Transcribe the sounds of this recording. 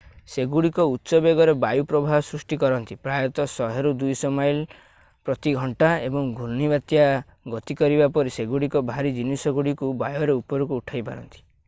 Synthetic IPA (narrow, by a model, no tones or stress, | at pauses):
seɡuɽikɔut̪ːsɔbeɡɔɾebajupɾɔbʱaɦɔsɾusʈikɔɾɔnt̪ipɾajɔt̪ɔsɔɦeɾud̪ujsɔmajl | pɾɔt̪iɡʱɔɳʈaebɔŋɡʱuɾnibat̪ja | ɡɔt̪ikɔɾibapɔɾiseɡuɽikɔbʱaɾid͡ʒinisɔɡuɽikubajɔɾeupɔɾukuːʈʰajpa̰ɾɔ̰nt̪i̥